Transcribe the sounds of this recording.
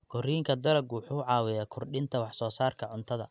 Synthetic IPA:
ɡ̥ʰɔriːŋkʰɐd̪ɐlɐɡʊħuːʕɑːwɛjakʰʊrɖɪnt̪ʰɐwɑħsɔːsaːrkʰɐʕʊnt̪ʰɐðɐ̰

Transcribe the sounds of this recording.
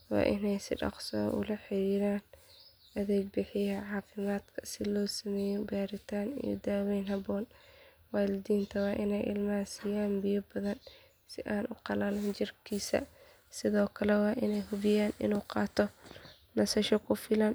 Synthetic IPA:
wɑ̰ːʔɪnɛjsɪ̰ɖɑ̰qsɔ̰ːʔʊ̰lɐħɪɾiːɾaːn | ɐðɛːɡ̚bɪħɪjɐʕɑːfɪmaːd̪kʰɐ̥sɪlɔːsɐmɛːjɛbaːɾɪt̪ʰaːnḭjɔ̰d̪aːwɛːnɦɐbɔːn | waːlɪd̪iːnt̪ʰɐwɑːʔɪnɛjʔɪ̰lmaːsijaːnbɪjɐbɐðɐn | sɪʔaːnʔʊqɑlɐlɐnt͡ʃɪrkʰiːsɐ̰ | sɪðɔːkʰɐlɛwɑːʔɪnɛjɦʊβɪjaːnɪ̰nuːqɑːt̪ʰɔ | nɐsɐʃɔkʰʊfɪlɐn

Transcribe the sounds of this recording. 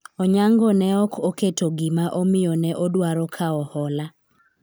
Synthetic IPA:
ɔɲaŋɡɔnɛɔkʰoketoɡɪmaʔomɪjɔnɛʔɔdwaɾɔkʰaɔhɔla

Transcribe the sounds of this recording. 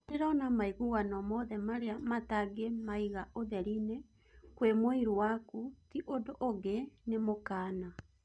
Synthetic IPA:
deɾanamaiɣuɣanɔmɔðɛmaɾeamataɡemaiɣaʔoðɛɾine | kwemoiɾuwakutiʔodoʔoɡenemokaːna

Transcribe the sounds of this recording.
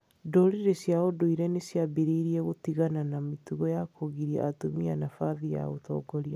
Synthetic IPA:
dɔɾeɾesjaodoiɾɛnesjabeɾeiɾiɛɣotiɣananametuɣɔjakoɣiɾia̰atomianafaðija̰ɣo̰tɔ̰ːɡɔɾia

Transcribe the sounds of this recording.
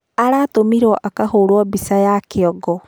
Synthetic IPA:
aɾaːtomiɾɔʔakahoɾwɔbisajakeɔɡɔ

